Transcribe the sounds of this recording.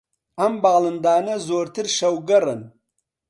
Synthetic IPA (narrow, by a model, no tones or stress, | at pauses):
ɐmbaːlɨnd̪aːnɐzoːɾt̪ʰiɾʃɐwɡɐɾɐn